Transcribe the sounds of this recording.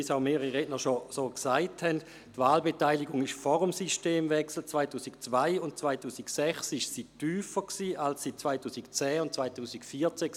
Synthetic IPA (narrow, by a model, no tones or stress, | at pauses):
isaʊmeːəʁiʁɛɡnəʃosoːksaɪthɛnd | tvaːlbetaɪliɡʊŋɪʃfɔʁʊmsiʃteːmvɛksl̩t͡svaɪtuːsikt͡svaɪʊntt͡svaɪtuːsiksɛχsɪʃsiːtyːfəksiːʔalssit͡svaɪtuːsikt͡sɛːʊnt̚t͡svaɪtuːsikfiːɐt͡sɛ